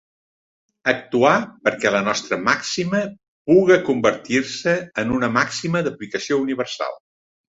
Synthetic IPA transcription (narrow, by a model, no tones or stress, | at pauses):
ək̚t̪uapəɾkɛlənɔst̪ɾəmaksimə | puɣəkumbəɾt̪iɾsəːnunəmaksiməðəplikəsiouniβ̞ərsa̰lˠ